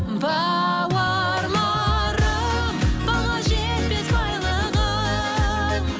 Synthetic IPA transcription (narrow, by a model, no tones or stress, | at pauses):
bɑ | wɑ | ɾmɑ | ɾə | mbɑlˠɑʒe | t̪bet̪bɑjlˠə | ʁɑ